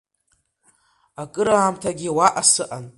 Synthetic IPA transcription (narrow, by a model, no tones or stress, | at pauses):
akʼɨɾaːmtʰaɡʲiwaʔasɨʔan